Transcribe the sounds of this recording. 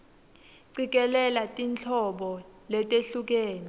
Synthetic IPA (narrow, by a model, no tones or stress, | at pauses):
ǀik̬ɛlɛlatʼint͡ɬʰɔɓɔlɛtʼeɬuk̬eːni